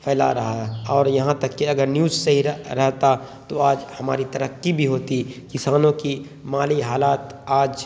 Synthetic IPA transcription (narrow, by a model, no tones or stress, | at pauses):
pʰɛːla̰ɾɐɦaɛɔːɾjɐɦãt̪ɐkːiɐɡəɾnjuːd͡ʒsɐɦiɾɛɦt̪a | t̪oaːd͡ʒhɐma̰ːɾit̪ɐɾəqːibʱiɦoːt̪ikɪsaːnõki | maːliɦaːlaːt̪aːd͡ʒ